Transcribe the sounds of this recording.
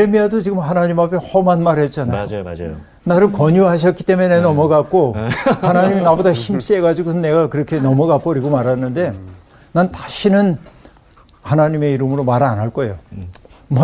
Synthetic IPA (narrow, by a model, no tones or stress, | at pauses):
emiadot͡ɕiɡɯmhanaɲimapʰe̞hʌmanmaɾɦe̞t̚t͡ɕ͈anaj | naɾɯɭkʌɲuɦaɕ̬ʰʌt̚k͈i̥t͈e̞menenʌmʌɡak̚k͈ohanaɲiminabodaɕʰimɕ͈e̞ɡad͡ʑiɡosʰɯnːe̞ɡakɯɾʌkʰe̞nʌmʌɡap͈ʌɾiɡomaɾanːɯnde̞ | nantḁɕʰinɯn | hanaɲime̞iɾɯmɯɾomaɾanaɭk͈ʌejo | m